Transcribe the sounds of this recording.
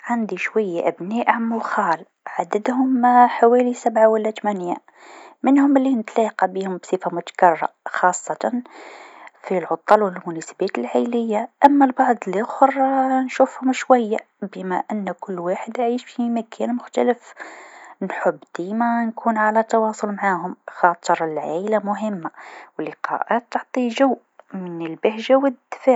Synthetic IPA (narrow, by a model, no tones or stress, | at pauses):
ʕand̪iʃwæjːaʔəbniʔʕamːʊxɑːl | ʕad̪əd̪hʊmħawælisabʕawəlːæt̪mænja | mənhʊməlːinət̪liqɑbihʊmbsˤifamʊt̪kɑrˤːɑ̰xɑsˤːɑt̪ɑn | filʕʊt̪ˤːɑlwəlmʊnæsə̥bæt̪əlʕajləjːaʔæmːælbɑʕd̪ˤlixʊrˤnʃufhʊmʃwæjːa | bəmæʔənːkʊlːwaħəd̪ʕiʃfimækʰænmʊxt̪æləf | nħʊbːd̪̥imænkʰunʕalæt̪ːɑwɑsˤʊlmʕaɦʊmxɑt̪ˤəɾˤəlʕalamʊɦəmːawəlːɪqɑ̰ʔæt̪ːoʕt̪ˤiʒæwːʔmənəlbəhʒawəd̪fa